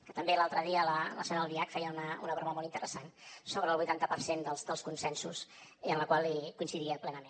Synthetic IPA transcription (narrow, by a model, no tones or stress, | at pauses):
kət̪əmbelalˠt̪ɾəðiələləsɛnəlˠd̪iakfɛjəunəunəβɾməmɔlˠint̪əɾʔəsansoβɾəlβujt̪ant̪əpəɾsend̪əlˠzd̪əlˠskunsɛnsusiənləkwalˠikuinsiðiəplɛnəmen